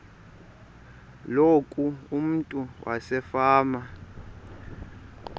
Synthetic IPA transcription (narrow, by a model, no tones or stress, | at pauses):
lokʼuum̩tʼuwʔa̰sɛfaːma